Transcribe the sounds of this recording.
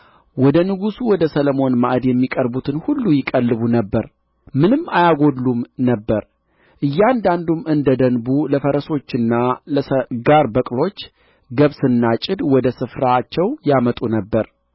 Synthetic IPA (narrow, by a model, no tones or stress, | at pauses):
wɔd̪ənɨɡusuwɔd̪əsələmo̞nmaʔd̪jɛmːikʼəɾbut̪ʰɨnhulːujɪkʼəlːɨβunəbːəɾ | mɨnɨmːajaɡo̞d̪lumnəbːəɾ | ʔɨjːand̪and̪umɨnd̪əd̪ənbuləfəɾəso̞t͡ʃːɨnːaləɡaɾbəkʼlo̞t͡ʃː | ɡəβsɨnːat͡ʃʼɪd̪wɔd̪əsɨfɾat͡ʃːɛwjamət̪ʼunəbːəɾ